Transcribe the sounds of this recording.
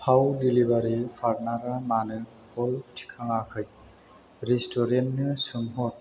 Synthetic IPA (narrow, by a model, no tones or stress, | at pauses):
pʰawdilibaɾipʰaɾnaɾamanɯ | hʰɔltʰi̥kʰaŋakʰɯj | ɾestʰɔɾentnɯsɯŋɦɔt̚